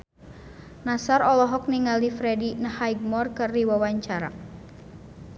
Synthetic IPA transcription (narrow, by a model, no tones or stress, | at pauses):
nasaɾɔlɔɦɔk̚niŋaldifɾɛdinəhajɡ̚mɔrkɨrdiwawaɲt͡ʃaɾa̰